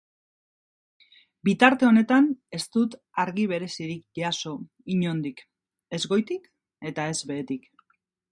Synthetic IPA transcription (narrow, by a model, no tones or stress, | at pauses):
bit̪aɾt̪e̞o̞ne̞t̪ane̞st̪ut̪ | aɾɣiβ̞e̞ɾe̞siɾikʝaso̞ | iɲo̞nd̪ik | e̞zɣo̞jt̪ik | e̞t̪ae̞zβe̞ːt̪ik